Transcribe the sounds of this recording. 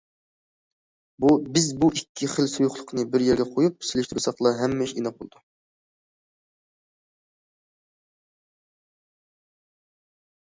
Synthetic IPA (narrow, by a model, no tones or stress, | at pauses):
bubɪzbuʔikʲʰːiχəlsojʊχlˠəqʰnɨbɪɾjɛɾɡʲɛqʰojup̚selɪʃt̪ʰɾusɑqlˠɑɦɛmːɛʃenɑp̚bolˠd̪u